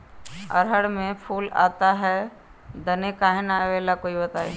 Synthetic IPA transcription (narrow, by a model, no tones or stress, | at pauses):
ɐ̰ɾɦəɽmẽpʰuːla̰ːt̪aɦɛ | d̪ɐnekaɦenaʋeːlakoːibɐt̪aːḛ